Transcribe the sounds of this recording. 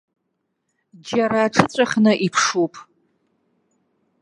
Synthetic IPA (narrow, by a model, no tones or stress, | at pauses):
d͡ʒaɾaːʈ͡ʂʰɨt͡sʷʼaχʲnɨʔipʰʂupʼ